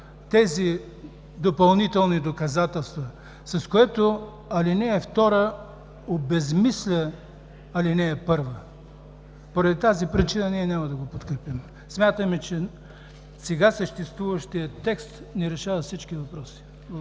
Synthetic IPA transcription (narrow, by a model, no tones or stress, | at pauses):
t̪ɛzi | d̪opɐlˠnit̪ɛlˠnid̪okɐzat̪ɛlˠst̪və | sɐskoɛt̪o | ɐlinɛːft̪ɔɾə | obɛzmislʲə | ɐlinɛːpɤɾvə | poɾɐd̪it̪azipɾit͡ʃinəniɛnʲamɐd̪ɐɡopot̪kɾɛpim | smʲjat̪əmɛt͡ʃɛ | sɛɡasəʃt̪ɛst̪vuvəʃt̪ijət̪ɛkst̪nɛɾɛʃavɐfsit͡ʃk̟ivɐpɾɔsi̥